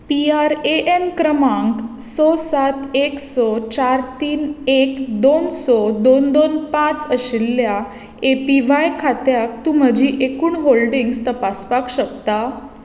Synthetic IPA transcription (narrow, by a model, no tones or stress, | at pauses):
piaɾeʔenkɾəmãŋksɔsat̪eksɔt͡ɕaɾt̪iːnekd̪onsɔd̪ond̪onpãt͡səɕilːja | epiʋajkʰat̪jak̚t̪um̤əd͡ʑʱiʔekuːɳɦolɖiŋɡst̪əpaspakɕəkt̪a